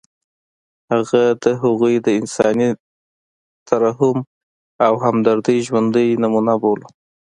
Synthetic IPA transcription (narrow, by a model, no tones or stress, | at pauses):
haɣad̪əɦaɣujd̪əɪnsɑni | t̪ʰaɾaɦʊm | awɦamd̪aɾd̪əjʒwand̪əjnamunabol